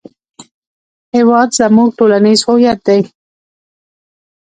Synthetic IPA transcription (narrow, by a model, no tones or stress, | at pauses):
hewɑd̪zamuɡ̚ʈolanizhojat̪̚d̪aj